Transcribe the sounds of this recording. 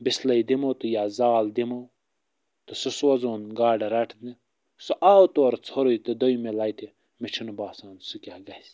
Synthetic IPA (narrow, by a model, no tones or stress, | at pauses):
bislɐjd̪imowt̪ujaːzaːld̪imɐw | t̪ususwɐzoːnɡaːɖɐɾɐʈʰni | suʔaːwt̪oɾt͡sʰoɾojt̪id̪ojmelajt̪i | mit͡ʃʰinubaːsãːnsukʲaɡɐs